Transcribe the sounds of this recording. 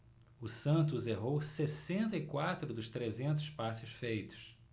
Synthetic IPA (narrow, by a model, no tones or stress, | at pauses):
ʊsɐ̃nt̪ʊzeɦowsesẽnt̪ɐikwat̪ɾʊd̪ʊst̪ɾezẽnt̪ʊspasʊsfejt̪ʊ̥s